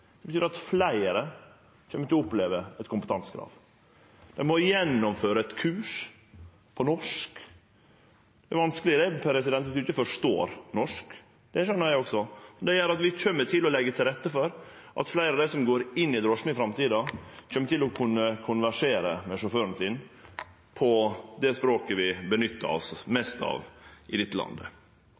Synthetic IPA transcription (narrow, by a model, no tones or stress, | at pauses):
smbət̪yːɾɑt̪flæɪəɾə | t͡ʃømːət̪ɪlʊpleːʋəɛt̪kʰʊmpət̪ʰɑnsə̥kʰɾɑ̰ːʋ | d̪̥ɛnmɔjɛnːɔmføːɾəɛt̪kʰʉːʂ | pʰɔnɔʂk | d̪ɛʋɑnskəlɪd̪ɛpʰɾɛs̬ɪd̪ɛnt̪ʋɪt̪ːʉɪçəfɔʂt̪o̰ːɾnɔʂk | d̪̥ɛæʂɔnːæɪɔksɔd̪ɛjæɾɑt̪ʋɪc͡çœmːət̪ʰɪlɔlɛɡːət̪ʰɪlɾɛt̪ːəfɔɾ | ʔɑ̰t̪flæɪɾɑʋd̪æsɔmɡoːɾɪnːɪd̪ɾɔʂmɪɪfɾɑmt̪ʰiːd̪ɑc͡çœmːət̪ɪlɔkʰʉnːəkʰʊnʋæʂeːɾə̰mɛʂɔføːɾən̩sin | pʰɔd̪ɛspɾoːkəʋɪbənʏt̪ːə̰ɾɔ̰smɛst̪ɑ̰ʋʔɪd̪ɪt̪ːəlɑ̰nd̪ə̰